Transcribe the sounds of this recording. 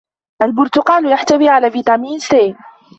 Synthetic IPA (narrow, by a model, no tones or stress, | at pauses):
ʔalbʊɾt̪ʊqɑːljaħt̪awiːʕalaːviːt̪ɑmiːnseːn